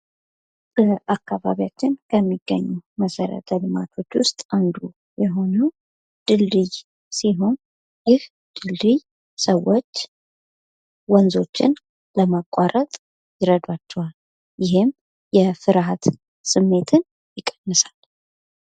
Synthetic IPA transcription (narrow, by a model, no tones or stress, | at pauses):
b̥əʔakːaβa̰βijat͡ʃːɪnkʰəmːiɡ̥ːəɲːuməsəɾə̰t̪ʰəlɨma̰t̪ʰo̞t͡ʃːwʊst̪ʼand̪u | jɛɦo̞nəw | d̪̥ɨlːɨj | siɦo̞n | jɪh | d̪̥ɨlːɨj | səwːo̞t͡ʃː | wɔnzo̞t͡ʃːɪ̰n | ləmakʼaɾət̪ʼ | jɪɾəd̪wat͡ʃːɛhal | jɪɦɪm | jɛfɨɾhat̪ | sɨmːe̞t̪ʰɨn | jɪkʼːə̥nːɨsal